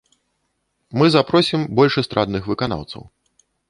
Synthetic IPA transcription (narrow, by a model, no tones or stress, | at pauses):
mɨzapɾɔsʲimbɔlʲʂɛst̪ɾad̪nɨxvɨkana̰wt̪sɐ̰w